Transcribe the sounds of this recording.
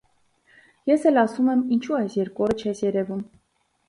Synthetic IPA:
jɛsɛlɑsumɛmint͡ʃʰuɑjsjɛɾkuɔɾət͡ʃʰɛsjɛɾɛvum

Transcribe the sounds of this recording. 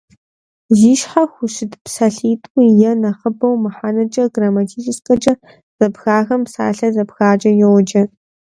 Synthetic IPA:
ziːʃħaxʷʊʃɪdpsaɬiːtʼʊjɐnɐχəbɐwmɨħaːnɐt͡ʃʼɐɡramɐtʰiːt͡ʃʰɪskʼɐt͡ʃʼɐ | z̥ɐbxaːɣɐmpsa̰ːɬɐzɐbxaːt͡ʃʼɐjɛwd͡ʒɐ

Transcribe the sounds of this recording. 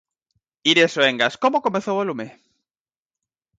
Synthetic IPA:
iɾesoeŋɡaskomokomeθowalume

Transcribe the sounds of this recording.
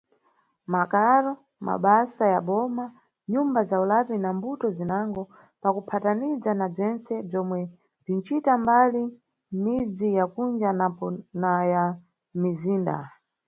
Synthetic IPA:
makaɾɔ | ma̰ɓasajaɓɔma | ɲumbazaulapinambutɔzinaŋɡɔ | pakupʰatanizanab͡ʐɛnt͡sɛb͡ʐɔmwɛ | b͡ʐint͡ʃitambali | mid͡zijakund͡ʒanapɔnaja | miziːnda̰

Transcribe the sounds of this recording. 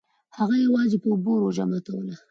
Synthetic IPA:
haɣajawɑzepəʊboɾod͡ʒamat̪awəla

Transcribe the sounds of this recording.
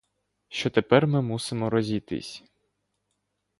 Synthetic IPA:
ʃt͡ʃɔt̪epɛrmɪmusɪmɔɾɔzʲit̪ɪ̰sʲ

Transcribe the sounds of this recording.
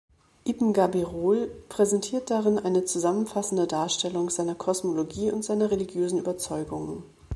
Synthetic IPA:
ʔibm̩ɡabiʁoːlpʁ̥ɛzɛntʰiːɐt̚d̥aʁɪnʔaɪnət͡suzamənfasn̩dədaːɐʃtɛlʊŋz̥aɪnɐkʰɔsmoloɡiːʊntz̥aɪnɐʁeliɡjøːzn̩ʔyːbɐt͡sɔʏɡʊŋən

